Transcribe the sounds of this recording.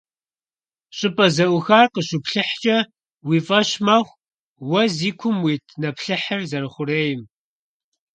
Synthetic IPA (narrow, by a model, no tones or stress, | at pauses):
ɕʼɪpʼɐzɐʔʷʊxaːrqəɕʊpɬɨħt͡ʃʼɐ | wiːfʼɐɕmɐχʷ | wɐziːkʷʰʊmwiːtʰnɐpɬɨħɐrzɐɾɨχʷʊreːjɪm